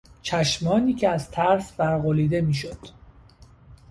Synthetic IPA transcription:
t͡ʃʰæʃmɒːniːcʲʰeæzt̪ʰæɾsbæɾɣoliːd̪e̞miːʃod̪̥

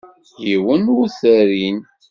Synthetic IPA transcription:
θjiwənʊθəɾin

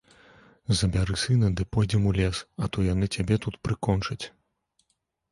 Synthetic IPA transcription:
zɐbʲaɾɨsɨnɐd̪ɨpɔjd͡zʲɛmulʲɛsɐt̪ɔjanɨt͡sʲabʲɛt̪ut̪pɾɨkɔnt͡ʂɐt͡sʲ

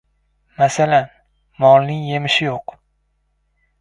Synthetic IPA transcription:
masalan | mɒlˠnɪŋje̞mɪʃɪjoq

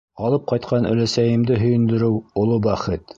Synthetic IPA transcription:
ɑlˠɤp̚qɑjt̪qɑnɵ̰̆læsæjɘ̆md̪ɘɦɵ̆jɵ̆nd̪ɵ̆ɾɘwŏlˠɤbæχɘt̪

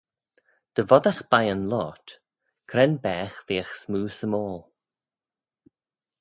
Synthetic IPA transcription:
d̪̥əvɔd̪axb̥ajənlɔːt̪ | kʰɾɛnbɛːxðeːəxsmuːsəmɔːlˠ

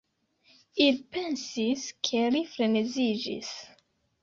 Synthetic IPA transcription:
it̚pẽnsizkʰelifɾenezid͡ʒḭs

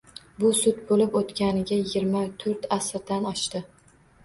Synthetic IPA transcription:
bʊsʊd̪bolɪpot̪kʲanɪɡʲajɪɡʲɪɾmat̪ʰɵʊɾt̪asɾd̪anɒʃt̪ɪ

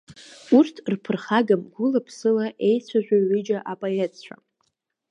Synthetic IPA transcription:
urtʰrpʰɨrχaɡamɡʷʊlapʰsɨlaʔe̞jt͡sʷʰaʒᶣʷaɥɪd͡ʒaʔapʼajet͡ɕʷʰa̰

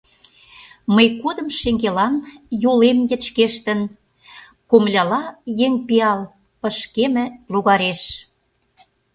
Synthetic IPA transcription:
məjkod̪ə̆mʃeŋɡelɑnjulemjə̆t͡ɕkeʃt̪ə̆n | komlʲɑlɑjeŋpiɑl | pə̆ʃkemə̆luɣɑɾeʃ

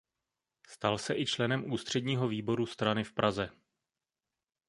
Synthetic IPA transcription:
st̪alsɛʔɪt͡ʃlɛnɛmʔuːst̪r̝̥ɛdɲiːɦo̞viːbo̞ɾust̪ɾanɪfpɾazɛ

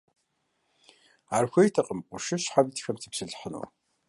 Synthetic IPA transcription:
aːrxʷejtʰɐqʼəmqʷʊʃɨɕħabitxɐmtʰɨ̥psɨɮħənṵ

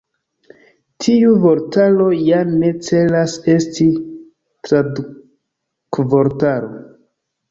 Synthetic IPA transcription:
tʰiuvo̞ɾtalo̞jane̞t͡se̞lase̞sti | tɾadu | kvo̞ɾtaɾo̰

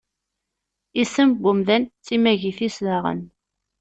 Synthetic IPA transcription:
isəmbʊmðænt͡sːimæʝiθisðaʁə̰n

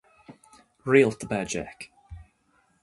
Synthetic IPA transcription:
ɹiːlˠtʰəbɛːd͡ʒɛ̰k

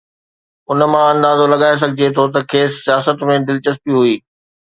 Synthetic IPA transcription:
ʊnmãɐ̃nd̪aːzolɐɠaːes̬ɐɡʱɪd͡ʑet̪ʰot̪ɐkʰeːsːijaːsət̪mẽd̪ɪlt͡ɕəspiɦuiː

